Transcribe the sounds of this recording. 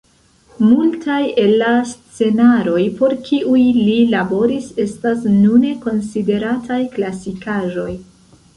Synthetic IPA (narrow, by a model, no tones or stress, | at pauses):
multʰaje̞lːast͡se̞naɾo̞jpo̞ɾkʰiʔujlilabo̞ɾise̞stasnune̞ko̞nside̞ɾatʰajklasikaʒo̞j